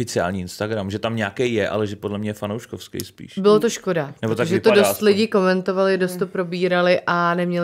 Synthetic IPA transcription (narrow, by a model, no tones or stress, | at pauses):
fɪt͡sɪa̰ːlɲiːɪnst̪aɡɾamʒɛt̪amɲakɛjjɛʔa̰lɛʒɛpodlɛmɲɛjɛfanowʃkofskɛ̰jspḭːʃbɪlot̪oʃko̞danɛbot̪aʒɛt̪odost̪lɪɟɪko̞mɛnt̪o̞valɪdost̪ːopɾo̞biːɾalɪʔʔanɛmɲɛlɪ